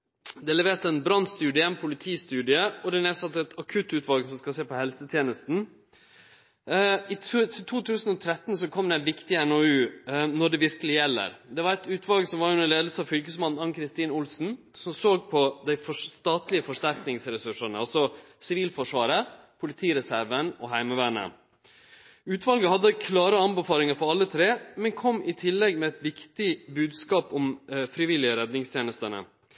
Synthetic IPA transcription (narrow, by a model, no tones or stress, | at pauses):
d̪ɛlɛʋeːt̪əɛnbɾɑnst̪ʉːd̪ɪəɛnpʰʊlɪt̪ʰiːst̪ʉːd̪ɪəɔd̪ɛneːsɑt̪ːəɛt̪ʰɑkʰʉt̪ːʉːt̪ʋɑlɡəsɔmskɑseːpɔhɛlsət̪ʰjeːnəst̪n̩ | ɪt̪ʰɪt̪ʰuːt̪ʰʉːsn̩ɔt̪ʰɾɛt̪ːn̩sɔkʰɔmd̪ɛænʋɪkt̪ɪɛnoːʉːnɔɖɛʋɪɾkəlɪjɛlːə̰ɾd̪ɛʋɑɾɛt̪ʉːt̪ʰʋɑlɡsɔmʋɑɾjʉnəɭeːd̪əsəɑʋfʏlkəsmɑnn̩ɑŋkʰɾɪst̪iːnʊlsn̩ | sɔmsoːɡpʰɔd̪æɪfɔst̪ɑːt̪lɪəfɔʂt̪æɾknɪŋsɾɛsʉʂənəɑlsɔ | sɪʋiːlfɔʂʋɑːɾə | pʰʊlɪt̪ʰiːɾɛsæɾʋənɔɦæɪmɑʋæːɳə̰ | ʉːt̪ʋɑlɡəhɑd̪ːəkʰlɑːɾəɑnbəfɑːɾɪŋəɾfɔɾɑlːət̪ʰɾeːmɛnkʰɔmːɪt̪ʰɪlːɛɡmɛæt̪ʋɪkt̪ɪbʉːd̪skɑːpɔmfɾɪʋɪlɪəɾɛd̪nɪŋst̪ʰjeːnəst̪ənə̰